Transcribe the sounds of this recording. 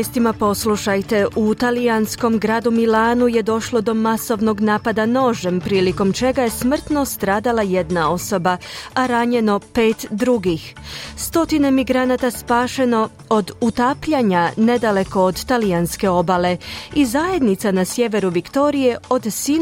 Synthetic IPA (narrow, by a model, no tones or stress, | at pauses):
jest̪imapo̞slˠuʃajt̪e̞ʔut̪aliansko̞mɡɾaːd̪umilaːnuje̞d̪o̞ʃlˠo̞d̪o̞maso̞ʋno̞ɡnaːpad̪ano̞ʒempɾiːliko̞mt͡ʃe̞ɡaje̞smr̩t̪no̞st̪ɾaːd̪alˠajed̪nao̞so̞baaɾaɲe̞no̞pe̞ːt̪d̪ɾuɡixst̪o̞t̪ine̞miɡɾanat̪aspaːʃe̞no̞ | od̪ut̪aːpʎaɲane̞d̪ale̞ko̞ːd̪t̪alianske̞o̞bale̞izaje̞d̪nit̪sanasje̞ʋe̞ɾuʋikt̪o̞ɾije̞o̞d̪si